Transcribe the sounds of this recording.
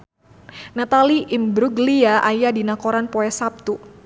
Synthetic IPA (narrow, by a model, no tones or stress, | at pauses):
nat̪aliʔimbɾuɡliaʔajadinakoɾanpɔɛsap̚t̪u